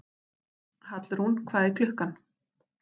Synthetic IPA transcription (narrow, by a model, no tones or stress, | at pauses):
hat̪lʏɾ̥hunkʰvaːðifjʏhkan